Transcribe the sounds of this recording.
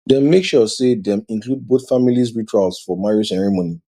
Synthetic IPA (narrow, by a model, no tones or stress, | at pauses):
dɛ̃mːekʃɔsedɛ̃mĩnklud̚boθfamilizɹit͡ʃɹalsfɔmaɹosɛɹɛmoni